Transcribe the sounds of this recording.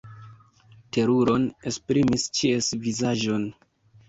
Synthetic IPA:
te̞ɾuɾo̞ne̞spɾimist͡ʃiesvizaʒo̞n

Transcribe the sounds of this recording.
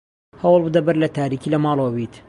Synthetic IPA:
hɐwlˠbɨd̪ɐbɐɾlɐt̪ʰaːɾikilɐmɑːlˠowwit̪

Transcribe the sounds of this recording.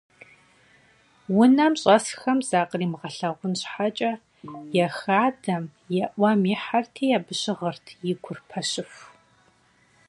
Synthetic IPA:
wʊnɐmɕʼɐsxɐmzaːqriːmʁɐɬɐʁʷʊnɕħat͡ʃʼɐ | jɛxaːdɐmjɛʔʷɐmiħartʰiːjabɨɕɪʁɐrtʰjɪɡʷʰʊrpʰɐɕɪf

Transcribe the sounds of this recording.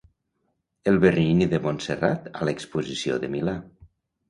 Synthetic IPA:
elˠβeriniðəmonsera̰t̪a̰lekspuzisio̰ðəmila

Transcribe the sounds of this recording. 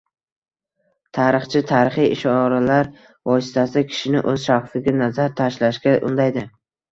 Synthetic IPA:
t̪ʰaɾɪχt͡ʃʰɪt̪ʰaɾɪχijɪʃɒɾalaɾ | vɒsɪ̥t̪ʰasɪkʲʰɪ̥ʃɪnɪ̰ʔɵz̥ʃaχfɪɡʲanazaɾt̪ʰaʃlaʃkʲaʔʊ̰nd̪ajd̪ɪ

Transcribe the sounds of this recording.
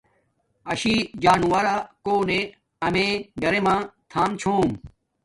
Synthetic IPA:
ɐɕid͡ʑaːnuwɐɾaːkoːne | ɐmẽːɡɐɾemãːt̪ʰaːmt͡ɕʰoːm

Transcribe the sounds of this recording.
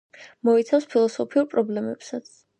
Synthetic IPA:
mɔit̪sʰafspʰilˠɔsɔpʰiuɾpʼɾɔblɛmɛpsat̪sʰ

